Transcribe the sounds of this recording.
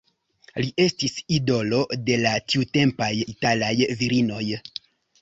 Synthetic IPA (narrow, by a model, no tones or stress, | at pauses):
liʔe̞stisido̞lo̞de̞latiute̞mpajitalajviɾino̞j